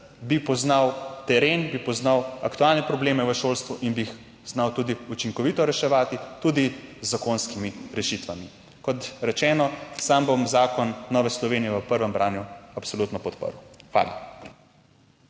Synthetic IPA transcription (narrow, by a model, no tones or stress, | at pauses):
bipɔznawt̪ɛɾeːnbipɔznawakt̪uaːlnɛpɾɔbleːmɛʋəʃoːlst̪ʋuʔinbiːx | znawt̪uːd̪iut͡ʃiŋkɔʋit̪ɔɾɛʃɛʋaːt̪it̪uːd̪izːakonskimiɾɛʃit̪ʋami | kɔt̪ɾɛt͡ʃɛːnɔsambomzaːkɔnːɔːʋɛslɔʋeːnijɛʋəpəɾʋəmbɾaːnjuapsolut̪nɔpɔt̪pə̰ɾwxʋa̰ːla̰